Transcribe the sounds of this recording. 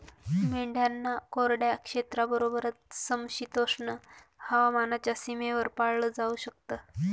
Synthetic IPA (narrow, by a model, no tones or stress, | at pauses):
miɳɖʱjanːakoɾɽjakʂet̪ɾabəɾobəɾət̪̚səmɕit̪osɳəhəʋamanat͡ɕjasimeʋəɾpaɽləd͡zauɕək̚t̪ə